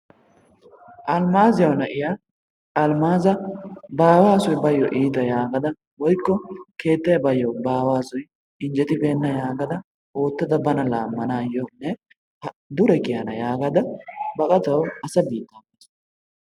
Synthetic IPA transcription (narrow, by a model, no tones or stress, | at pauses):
ʔɐlmaːzɪjɐwnɐʔɪja | ɐlmaːzɐbaːwaːsʊjbɐjːɔʔiːt̪ɐjaːɡɐd̪ɐ | wɔjkːɔke̞ːt̪ːɐjɐbɐjːɔbaːwaːsʊj | ɪnd͡ʒɛt̪ɪbe̞ːnːɐjaːɡɐd̪ɐ | oːt̪ːɐd̪ɐbɐnɐlaːmːɐnaːjːonːɛ | hɐd̪ʊɾɛkɪjɐnɐjaːɡɐd̪ɐbɐkʼɐt̪ɐwɐsɐbiːt̪ːaːɡes